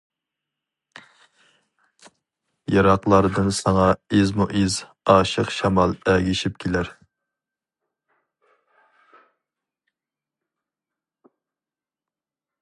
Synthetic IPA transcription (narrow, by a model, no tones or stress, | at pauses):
jɑɾɑqlˠɑɾd̪ɨnsɑŋɑezmuʔez | ɑːʃəqʃɑmɑlˠɛɡʲiʃip̚kʲʰelæɾ